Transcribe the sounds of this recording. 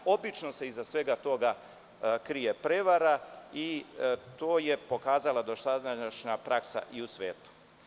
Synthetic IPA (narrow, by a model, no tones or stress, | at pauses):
o̞bit͡ʃno̞se̞izasʋe̞ɡat̪o̞ɡa | kɾijepɾe̞ʋaɾait̪oːje̞po̞kaːzalad̪o̞ʃt̪ad̪aaʃɲapɾaksa̰ʔiusʋḛːt̪u̥